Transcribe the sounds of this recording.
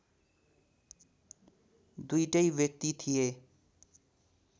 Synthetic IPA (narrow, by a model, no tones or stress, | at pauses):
d̪ujʈʌjbjek̚t̪it̪ʰije